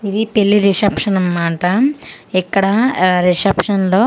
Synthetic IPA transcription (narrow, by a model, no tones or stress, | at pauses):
id̪ipelːiɾisɐpʂɐnɐmːaːʈɐ | ikːɐɽɐɾisɐpʂɐnlo̞ː